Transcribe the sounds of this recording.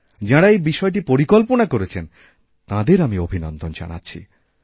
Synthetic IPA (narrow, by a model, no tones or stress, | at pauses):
d͡ʑaɽaejbiʃɔeʈ̬ipoɾikolponakoɾet͡ɕʰen | t̪ãd̪eɾamiobʱinɔnd̪ʱond͡ʑa̰na̰tːɕʰḭ